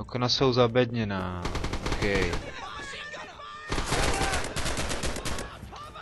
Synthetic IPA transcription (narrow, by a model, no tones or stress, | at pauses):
oknasowzabɛd̪ɲɛnaːokɛj